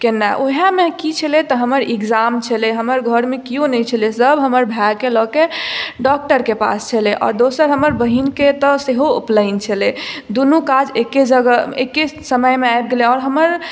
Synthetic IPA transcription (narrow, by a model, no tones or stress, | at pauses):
kenːaʔoɦjamekit͡ʃʰəlet̪ɔɦəməɾeɡd͡ʒamt͡ʃʰəleɦəməɾɡʱəɾmekijonɛt͡ʃʰəlesəbɦəməɾbʱakelɔkeɖɔk̚ʈəɾkepa̰st͡ʃʰəleʔɔ̰ːɾd̪osəɾɦəməɾbəɦinket̪ɔseɦoṵpləɪnt͡ʃʰəled̪unukad͡ʒeked͡ʒəɡəḛkesəməjmeajb̚ɡeleɔːɾɦəməɾ